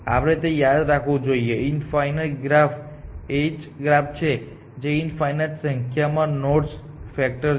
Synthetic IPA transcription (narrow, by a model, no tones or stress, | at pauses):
a̰ʋɾet̪ejad̪ɾakʰʋõd͡ʒoieinfajnəlɡɾaf | et͡ʃɡɾap̚t͡ʃʰe | d͡ʒeinfajnalsəŋkʰjamãnoɾs | fɛk̚ʈəɾ